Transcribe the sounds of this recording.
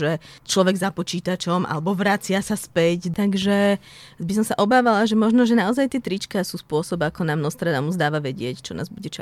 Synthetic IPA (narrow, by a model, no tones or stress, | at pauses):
ʒɛt͡ʃlɔʋɛɡzapɔt͡ʃiːt̪at͡ʃɔmʔa̰lɛbɔʋɾat͡sɪasaspɛct̪aɡʒɛ | bisɔmsaʔɔbaːʋalaʒɛmɔʒnɔʒɛnaɔzajt̪ɪɛt̪ɾit͡ʃkasuːspʊɔsɔbakɔnamnɔst̪ɾad̪amuzd̪aːʋaʋɛɟɪɛct͡ʃɔnʔa̰ːzbuɟɛt͡ʃa